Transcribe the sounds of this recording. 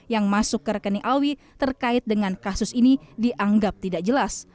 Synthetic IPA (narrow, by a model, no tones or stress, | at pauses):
jaŋmasʊkːəɾəkəniʔawi | t̪ərkaɪt̪̚dəŋankasʊsinidiʔaŋɡap̚t̪idaʔd͡ʒəlas